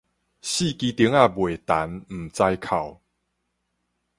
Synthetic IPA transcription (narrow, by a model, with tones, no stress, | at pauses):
ɕi˥˧˨ki˧˦t̪i˨˦ŋa˥˧bwe˨˩t̪a˨˦nm̩˨˩t͡sa˧jkʰa˨˩w